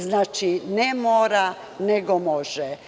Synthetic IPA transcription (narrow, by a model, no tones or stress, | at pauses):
znaːt͡ʃinɛmoːɾa | neɡomoʒɛ